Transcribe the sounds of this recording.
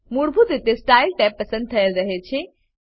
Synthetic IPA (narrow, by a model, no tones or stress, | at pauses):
muɽbʱud̪ɪt̪esʈaːɪlʈɛːpːɐsə̃nd̪̚t̪ʰɐjəlɾɐɦet͡ɕʰe